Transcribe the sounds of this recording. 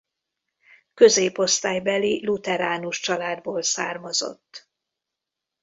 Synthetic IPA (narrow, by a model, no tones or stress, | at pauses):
kø̞zeːpo̞st̪aːjbɛlilut̪ɛɾaːnuʃt͡ʃɒlaːd̪boːlsaːrmɒzo̞̰t̪ː